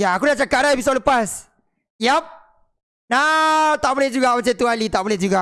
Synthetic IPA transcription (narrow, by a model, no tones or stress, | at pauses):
jaːkudat͡ʃakaʔdaepisodləpas | jap̚ | nat̪aʔbolehd͡ʒuɡamat͡ʃat̪ualit̪aʔbolɛhd͡ʒuɡa